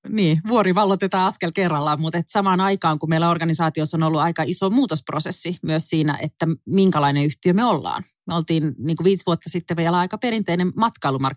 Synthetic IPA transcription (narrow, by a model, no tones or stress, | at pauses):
niːʋuoɾiʋɑlːot̪et̪ɑːɑskelkerːɑlːɑmut̪et̪sɑmɑːnɑikɑːŋkumeilːæorɡɑnisɑːt̪iosːonolːuɑikɑisomuːt̪osprosesːimyøssiːnæ̰ʔḛt̪ːæmiŋkɑlɑineyht̪iømeolːɑ̰ːn | meolt̪iːnniːŋkuʋiːsʋuot̪ːɑsit̪ːeʋeiolæɑikɑpeɾint̪einemmɑt̪kɑilumɑr